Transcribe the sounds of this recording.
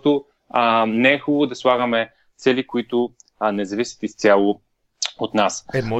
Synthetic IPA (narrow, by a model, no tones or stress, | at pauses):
t̪ʊ | nɛɛxubvʊd̪ɐslˠaɡəmɛ | t̪sɛlikoit̪ʊnɛzɐvisi̥t̪ist̪sʲjalˠo | ot̪nas